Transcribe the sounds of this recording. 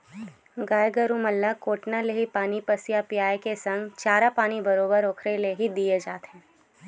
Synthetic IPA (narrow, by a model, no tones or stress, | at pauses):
ɡaːjɡəɾũmɐlːakoːʈnaleɦipaːnipəsjapjaːekesə̃ŋɡt͡ʃaːɾapaːnibɐɾoːbəɾoːkʰɾeleɦid̪ied͡ʒaːt̪ɛ̃ː